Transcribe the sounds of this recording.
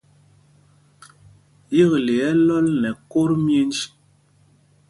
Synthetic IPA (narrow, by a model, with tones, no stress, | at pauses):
ji˦ɣle˨ɛ˨˦lɔ˦lnɛ˨ko˦ɾmje˦n˦d͡ʒi˦